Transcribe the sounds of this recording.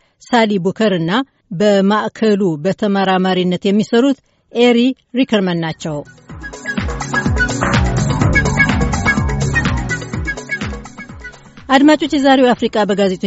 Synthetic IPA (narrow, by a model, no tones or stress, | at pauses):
salibukʰəɾɨnːa | bəmaʔkʰəlubət̪ʰəmaɾamaɾinːət̪jɛmːisəɾut̪ | ʔeɾi | ɾikʰəɾmənːat͡ʃːɛw | ʔad̪mat͡ʃʼo̞t͡ʃːjɛzaɾewafɾikʼabəɡaze̞t̪ʼ